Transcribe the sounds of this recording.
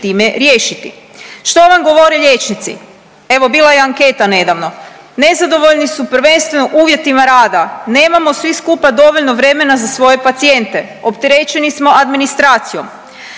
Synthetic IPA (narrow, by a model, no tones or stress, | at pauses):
t̪iːme̞ɾjeːʃit̪ḭ | ʃt̪o̞ʋamɡo̞ʋo̞ɾeʎe̞t͡ʃnit̪sḭ | e̞ʋo̞biːlˠajeaŋke̞ːt̪ane̞d̪aʋno̞ | ne̞zad̪o̞ʋo̞ʎnisupɾ̩ʋe̞nst̪ʋe̞no̞ʔuːʋje̞t̪imaɾaːd̪ane̞ːmamo̞sʋiskupad̪o̞ʋo̞ʎno̞ʋɾe̞me̞nazasʋo̞je̞pat̪sije̞nt̪e̞ | opt̪eɾet͡ʃe̞nismo̞ʔad̪minist̪ɾaːt̪sijo̞̰m